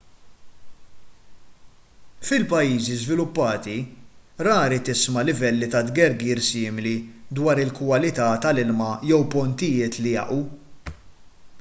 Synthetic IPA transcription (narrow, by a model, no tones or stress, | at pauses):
fɪlpɐjːiːzizvɪlʊpːɐːt̪iɾɐːɾit̪ɪsmɐlɪvɛlːit̪ɐd̪ɡɛɾɡiːɾsɪːmɪlid̪wɐːɾɪlkwɐlɪt̪ɐt̪ɐlɪlmɐjɛwpɔnt̪ɪjɪːt̪lɪjɐ̰ʔu